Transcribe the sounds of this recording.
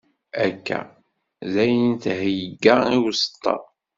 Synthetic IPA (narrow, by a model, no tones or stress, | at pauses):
ækːæ̰ | zæjənt̪hjəɡaiwsə̥t̪ˤːɑ̰